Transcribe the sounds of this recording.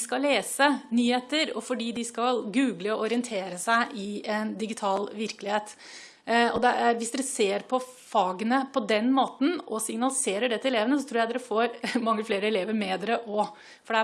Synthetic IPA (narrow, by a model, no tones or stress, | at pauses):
skɑllːeːsənyːheːt̪əɾɔ̰fɔɖiːd̪ɪskɑlɡʉːɡləɔʔɔɾɪənt̪ʰeːɾəsæɪʔɪɛnd̪ɪɡɪt̪ʰɑːlʋɪɾkəlɪheːt̪ | ɔd̪ɛæɾʋɪsd̪ɛɾəseːɾpʰɔ | fɑːɡənəpʰɔd̪ɛnmoːt̪n̩ɔsɪŋnɑlɪseːɾəɖɛt̪əɛleːʋənəs̬ɔt̪ʰɾuːjæd̪ɛɾəfoːɾmɑŋːəfleːɾəɛleːʋəɾmɛːd̪ɛɾəʔɔ | fɔɖɛæ